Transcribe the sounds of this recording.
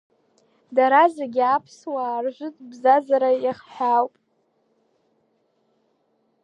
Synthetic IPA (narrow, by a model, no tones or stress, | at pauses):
daɾazeɡʲapʰswaːrʒʷʊtʼbzazaɾajaχħawpʼ